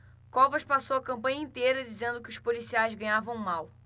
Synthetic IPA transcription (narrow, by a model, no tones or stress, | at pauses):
kɔvɐʃpasowɐkɐ̃mpɐ̃ɲɐĩt̪ejɾɐd͡ʒizẽnd̪ʊkɪʊʃpolisiajzɡɐ̃ɲ̃avɐ̃w̃maw